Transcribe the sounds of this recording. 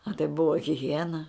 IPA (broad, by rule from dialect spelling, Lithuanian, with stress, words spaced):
ɐ tɐɪ ˈbʊʋɐ ɣʲɪˈɣʲiɛnɐ